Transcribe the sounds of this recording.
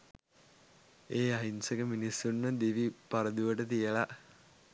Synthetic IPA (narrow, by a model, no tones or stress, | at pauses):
eːɐɦinsɐkɐminisːunːəd̪iʋipɐɾɐd̪uʋɐʈət̪ijɐɭɐ